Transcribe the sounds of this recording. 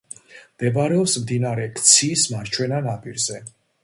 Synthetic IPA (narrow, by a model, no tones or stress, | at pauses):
md̪̥ɛbaɾɛɔpsmd̪inaɾɛkʰt̪sʰiːsmaɾt͡ʃʰwɛnanapʼiɾzɛ